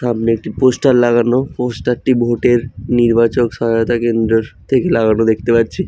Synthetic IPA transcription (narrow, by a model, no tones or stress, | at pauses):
amniek̚ʈiposʈaɾlaɡanoposʈaɾʈibʱoʈeɾniɾbat͡ɕokʃɔɦajot̪akend̪ɾoɾt̪ʰekelaɡanod̪ek̚ʰt̪epaɾt͡ɕʰi